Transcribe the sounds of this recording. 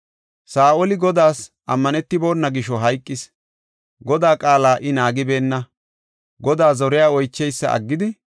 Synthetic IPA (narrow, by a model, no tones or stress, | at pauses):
saːʔɔlɪɡɔd̪aːs | ʔɐmːɐnɛt̪ːɪbo̞ːnːɐɡɪʃɔɦɐjkʼːɪs | ɡɔd̪aːkʼaːlaːʔɪnaːɡɪbe̞ːnːɐ | ɡɔd̪aːzɔɾɪjaːɔjt͡ʃːɛjsːɐ̰ʔɐ̰ɡːɪd̪ɪ